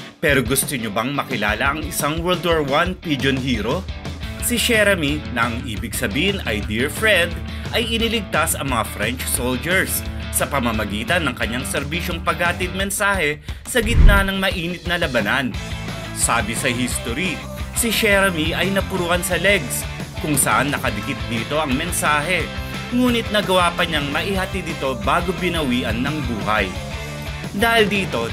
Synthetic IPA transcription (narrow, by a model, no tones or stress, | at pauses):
pɛɾoɡʊst̪oɲobɐŋmɐkɪla̰ːlɐʔɐŋɪsaŋwɛld̪oɹwanpid͡ʒonhiːɾo̞sɪʃɛɾɐminɐʔɐŋʔiːbɪɡsɐbiːhɪnʔɐ̰jd̪iɹfɹɛnd̪ | ʔɐjɪnilɪɡ̚t̪asɐŋmɐŋafɾɛnt͡ʃsold͡ʒɛɹsː | ɐpɐmɐmɐɡiːt̪ɐnːɐŋkɐɲːaŋsɛɾbiʃo̞ŋpɐɡaːt̪ɪd̪̚mɛnsaːhɛsɐɡɪt̪̚nanɐŋmɐʔiːnɪt̪̚nɐlɐbɐnan | saːbɪsɐɦist̪oɾi | siʃɛɾɐmiʔɐjnɐpʊɾuːhɐnsɐlɛɡs | kʊŋsɐʔanːɐkɐd̪ɪkɪt̪̚d̪iːt̪o̞ʔɐŋmɛnsaːɦɛ | ŋuːnɪt̪̚nɐɡɐwaːpɐɲaŋmɐʔihɐt̪ɪd̪ɪt̪o̞baːɡo̞bɪnɐwiːʔɐnːɐŋbuːhɐ̰j | d̪aːhɪld̪iːt̪o̞